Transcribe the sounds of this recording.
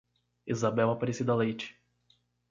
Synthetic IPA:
izabɛwapaɾesid̪ɐlejt͡ʃɪ̥

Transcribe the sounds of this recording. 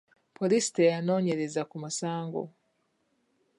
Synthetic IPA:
pʰɔlistejanɔɲɛɾezakumasaːŋɡɔ̰

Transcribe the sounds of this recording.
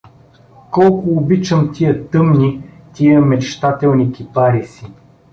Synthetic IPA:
kɔlˠkʊːbit͡ʃəmt̪ʲiət̪ɤmni | t̪ʲiəmɛt͡ʃt̪at̪ɛlˠnikipaɾisi

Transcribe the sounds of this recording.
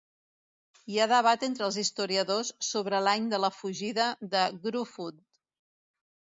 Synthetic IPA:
iaðəβ̞at̪ent̪ɾəlˠzist̪uɾiəðosːoβɾəlaɲd̪ələfuʒiðəðəɡɾufut̪

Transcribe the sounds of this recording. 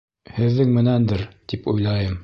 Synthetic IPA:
hɘ̆ðːɘŋmɘ̆nænd̪ɘɾt̪ipujlˠɑjɤm

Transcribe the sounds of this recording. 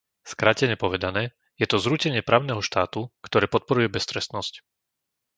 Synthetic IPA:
skɾacɛɲɛpɔʋɛd̪anɛː | jɛt̪ɔzɾucɛɲɪɛpɾaːʊnɛːɦɔʃt̪aːt̪ukt̪ɔɾɛːpɔt̪̚pɔɾujɛbɛst̪ɾɛst̪nɔsc

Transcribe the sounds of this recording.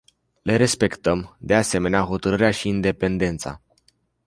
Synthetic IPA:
le̞ɾe̞spe̞kt̪əmd̪e̞ase̞me̞neaɦo̞t̪əɾɨɾeaʃiːnd̪e̞pe̞nd̪e̞nt̪sa̰

